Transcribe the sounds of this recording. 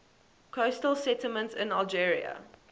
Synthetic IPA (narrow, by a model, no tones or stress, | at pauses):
kʰostəlˠsɛtɪmə̃ntsɪ̃nalˠd͡ʒiɹḭə̰